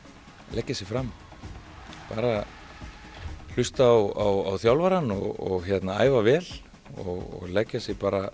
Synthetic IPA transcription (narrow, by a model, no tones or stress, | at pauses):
lɛcːasjɛɣfɾam | pa̰ːɾa | l̥ʏst̪aːwawawθjawlvaɾanɔɣɔɣçjɛt̪naa̰ːjvavɛːl | ɔɣɔ̰ɣlɛcːasjɛɣpaːɾa